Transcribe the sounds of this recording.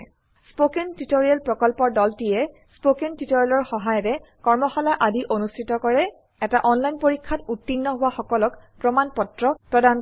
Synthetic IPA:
spokentitoɹialpɹɔkɔlpɔɹdɔltijɛ | spokentitoɹialɔɹxɔɦajɔtɛkɔɹmɔxɔlaʔadiʔonustʰitɔkɔɹɛ | ɛtaʔɔnlajnpoɹikʰːatutːinːɔɦʊwaxɔkɔlɔkpɹɔmanpɔtɹɔpɹɔdan

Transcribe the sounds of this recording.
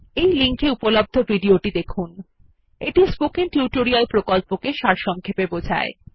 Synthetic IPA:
ejliŋkeupolob̚d̪ʱobʱiɖioʈid̪ekʰun | eʈispokinʈjuʈoɾialpɾokolpokeʃaɾʃɔŋkʰepebod͡ʑʱa̰e

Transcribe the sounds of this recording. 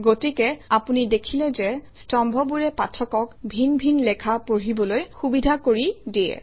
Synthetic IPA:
ɡotikɛapunidekʰilɛzɛstɔmbʱɔbuɹɛpatʰɔkɔkbʱinbʱinlɛkʰapoɹibɔlojxubidʱakoɹidiɛ̰

